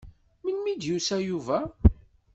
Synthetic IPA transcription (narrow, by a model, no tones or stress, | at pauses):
mənmid̪jusæjuvæ